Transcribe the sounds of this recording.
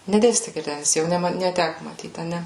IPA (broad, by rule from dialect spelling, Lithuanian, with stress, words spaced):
nʲɛˈdʲeːsʲtʲɪ ɡʲɪrʲˈdʲæːnʲɪs jɛʊ ˈnʲɛ mɐ nʲɛˈtʲækʊ mɐˈtʲiːt ɐˈnʲɛ